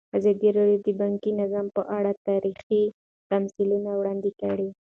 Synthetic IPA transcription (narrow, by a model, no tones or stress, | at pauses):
azɑd̪iɾɑɖjod̪əbɑŋkinazɑmpəʔaɽat̪ɑɾixi | t̪amsɪlunawɽɑnd̪ikəɽi